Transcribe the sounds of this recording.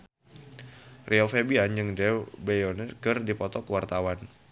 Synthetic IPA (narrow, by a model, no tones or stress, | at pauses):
rʔiɔfebianjɨŋdɛbɛjonərkərdipɔt̪ɔkəwart̪awan